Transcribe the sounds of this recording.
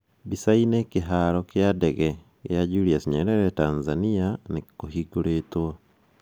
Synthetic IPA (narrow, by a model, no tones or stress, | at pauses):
bisainekeɦaɾɔkjadɛɣɛ | kj̰ad͡ʒuɾiasɲɛɾɛɾɛtanzanianekoɦiɡoɾeːtwɔ